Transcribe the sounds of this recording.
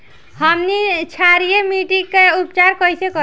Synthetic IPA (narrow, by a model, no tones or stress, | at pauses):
həmnit͡ʃʰaɾijemiʈikeupt͡ʃaɾkəjsekə